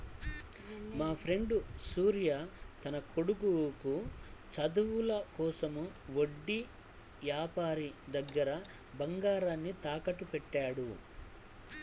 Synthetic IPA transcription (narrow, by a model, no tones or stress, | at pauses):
maːpʰɾe̞ɳɖusuːɾjat̪ɐnɐkoɽuɡukut͡ʃɐd̪uʋulɐkɔːsɐmuʋoɖːi | ʋjaːpaːɾid̪ɐɡːɐɾɐ | bɐŋɡaːɾaːnːit̪aːkɐʈːupɛʈːaːɽu